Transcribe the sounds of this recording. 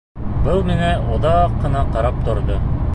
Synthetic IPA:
bɤlˠmɘ̆nɘoðɑqːɤ̆nɑqɑɾɑp̚t̪ŏɾd̪o

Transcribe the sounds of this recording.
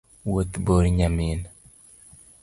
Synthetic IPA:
wot̪boɾɲamin

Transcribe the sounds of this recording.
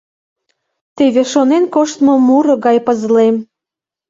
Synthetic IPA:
t̪eβeʃonenkoʃt̪momuɾoɣɑjpəzlem

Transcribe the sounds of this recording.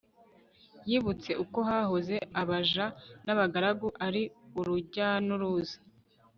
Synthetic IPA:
jiːβut͡se̞ʔuko̞ɦahoze̞ʔaβaʒanaβaɡaɾaɡuʔaɾiuɾuɟanuɾuːzḁ

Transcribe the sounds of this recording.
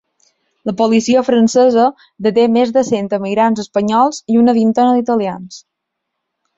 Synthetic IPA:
ləpolisiəfɾənsəzə | d̪ət̪emezðəsent̪əmiɣɾanzəspəɲɔlˠziunəβint̪onəðit̪əlians

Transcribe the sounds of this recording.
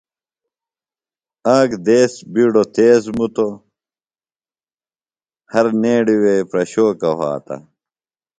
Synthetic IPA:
ãːkd̪eːsbiɽot̪eːzmut̪o | hɐɾneːɖiweːpɾɐɕoːkɐɦa̰ːt̪ɐ̰

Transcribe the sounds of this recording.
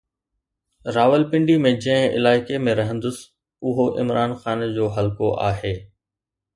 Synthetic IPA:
ɾaːʋəlpɪ̃ɳɖimẽd͡ʑɐ̃ɦɪ̃ɪ̰laːɪkemẽɾɐɦə̃nd̪ʊs | ʊɦoʔɪ̰mɾaːnxaːnd͡ʑoːɦɐlkoʔa̰ːɦeː

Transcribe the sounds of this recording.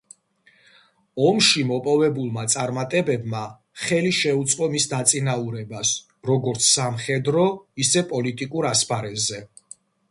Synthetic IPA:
ɔmʃimɔpʼɔvɛbulˠmat̪sʼaɾmat̪ʼɛbɛbma | χɛliʃɛut̪sʼqʼɔmisd̪at̪sʼinauɾɛbas | ɾɔɡɔɾt̪sʰsamχɛd̪ɾɔisɛpʼɔlit̪ʼikʼuɾaspʰaɾɛzɛ

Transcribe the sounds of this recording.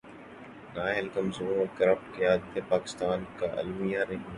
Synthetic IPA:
naːɦɪlkəmzuːɐkɾəfʈkijaːd̪t̪ʰepaːkɪ̥st̪aːnkaʔɐ̰lmijaɾeɦ

